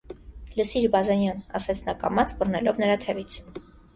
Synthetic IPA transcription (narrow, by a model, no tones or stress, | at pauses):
ləsiɾbɑzɛnjɑnɑ̰sɛt͡sʰnɑkɑ̰mɑt͡sbərnɛlɔvnəɾɑt̪ʰɛvit͡sʰ